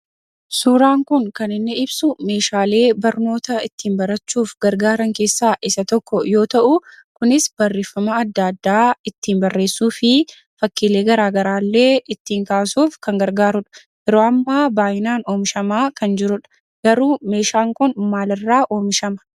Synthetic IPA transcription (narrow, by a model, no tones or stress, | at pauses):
suːɾaːŋkʊŋkɐnɪnːɛɪbsʊme̞ːʃaːle̞ːbɐɾno̞ːt̪ɐɪt̪ːiːmbɐɾɐt͡ʃːuːfɡɐɾɡaːɾɐŋke̞ːsːaːʔɪsɐt̪ɔkːɔjo̞ːt̪ɐʔʊ | kʊnɪsbɐrːeːfːɐmɐːd̪ːɐd̪ːaːɪt̪ːiːnbɐrːe̞ːsːuːfɪ | fɐkːɪle̞ːɡɐɾaːɡɐɾaːlːe̞ːʔɪt̪ːiːŋkaːsuːfkɐŋɡɐɾɡaːɾʊᶑɐ̥ | ʔɛɾo̞ːɐmːaːbaːjɪnaːno̞ːmɪʃɐmaːkɐnd͡ʒɪɾʊᶑɐ̥ | ɡ̥ɐɾuːme̞ːʃaːŋkʊnmaːlɪrːaːʔo̞ːmɪʃɐmɐ̥